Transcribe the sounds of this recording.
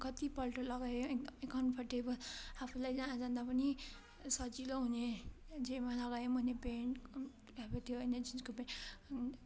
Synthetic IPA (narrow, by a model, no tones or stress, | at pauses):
kʌt̪ipʌlʈolʌɡajoek̚d̪ʌmkʌnpʰʌɾʈebʌlapʰulajd͡zãd͡zãnd̪apʌni | sʌt͡ʃiloɦune | d͡zemalʌɡajomʱʌnepeɳʈ | ɾʌkot̪ʰjoened͡ʒinskope